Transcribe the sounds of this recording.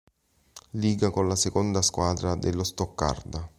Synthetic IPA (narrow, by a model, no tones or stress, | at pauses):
liːɡakonlasekond̪askwaːd̪ɾad̪elːost̪ɔkːa̰rd̪a